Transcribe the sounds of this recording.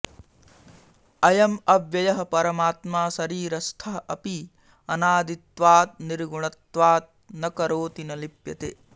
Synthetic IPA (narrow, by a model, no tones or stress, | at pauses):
ɐjɐmɐʋjɐjɐɦɐpɐɾɐmaːt̪maːsɐɾiːɾɐst̪ʰɐɦɐʔɐpi | ɐnaːd̪it̪ʋaːt̪̚niɾɡuɳɐt̪ʋaːt̪̚nɐkɐɾoːt̪inɐlipjɐt̪eː